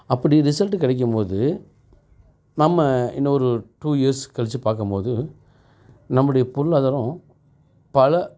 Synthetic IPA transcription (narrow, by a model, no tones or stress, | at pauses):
ɐpːɐɽiɾɪsɐlʈːɯkɪɽɐɪk̬ːɯmpoːðɯ | nɐmːɐɪ̰nːɐɔɾɯʈuːiɐɾskɛɭɐt͡ʃːɯpaːɾkɯmpoːðɯ | nɐmːɯɽɐjɐpʊɾɯlɐðɐɾɔ̃ | pɐlɐ